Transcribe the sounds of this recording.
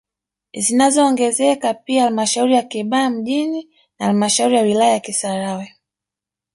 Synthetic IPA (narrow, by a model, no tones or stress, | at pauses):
zinazɔːŋɡɛzɛkapiahalmaʃauɾijakiɓaam̩ʄini | naalmaʃauɾijawilajajakisaɾawɛ